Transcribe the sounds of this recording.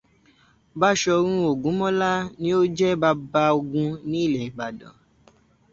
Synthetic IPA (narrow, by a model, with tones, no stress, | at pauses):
ba˦ʃɔ˧ɾ̃ũ˦o˨ɡũ˨˦mɔ̃˦la˦nĩ˦o˦d͡ʒɛ˦ba˧ba˧o˧ɡũ˧nĩ˦i˦˨lɛ˨ɡ͡ba˨dɔ̰̃˨